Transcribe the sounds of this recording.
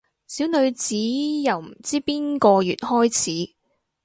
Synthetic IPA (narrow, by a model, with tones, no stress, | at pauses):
siː˨˥wnɵ˨˧ɥt͡siː˨˥jɐ˨wm̩˨˩t͡siː˥piː˥nkɔː˧jyː˨˩t̚hɔː˥jt͡sʰiː˨˦˥